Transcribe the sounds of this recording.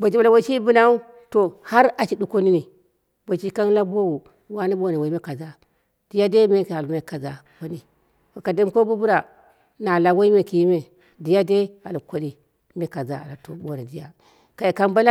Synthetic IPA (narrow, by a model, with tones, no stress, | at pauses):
bo˨d͡ʒi˦ba˨la˨wo˨t͡ʃi˦bu˦na˦u˦ | to˨ha˦ɾa˨t͡ʃi˨du˦ko˦ni˦ni˨ | bo˨t͡ʃi˦ka˦n˦la˦bo˦wu˨ | wa˦ni˦bo˦˨ne˨wo˨i˦me˦ka˨za˦ | d̥i˦ja˦de˦me˦ka˨lme˦ka˨za˨ | wo˦ni˨ | wa˨ka˨di˦mko˦bu˦bu˦ɾa˨ | na˨la˨wo˦i˦me˨ki˨jme˨ | di˦ja˦de˦a˨lu˨kʷo˨˦di˦ | me˦ka˨za˦a̰˨la˨to˨bo˦na˨di˦ja˦ | ka˨ji˨ka˦nba˦la˦